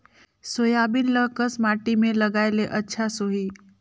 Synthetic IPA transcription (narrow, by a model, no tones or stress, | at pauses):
soːjaːbɪnləkəsmaːʈimẽlɐɡaːeleʔɐtːʃʰasoɦiː